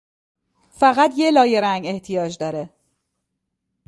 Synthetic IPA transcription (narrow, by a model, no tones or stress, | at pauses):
fæɣæt̪jelɒːjeɾæŋeht̪ʰijɒːd͡ʒd̪ɒːɾe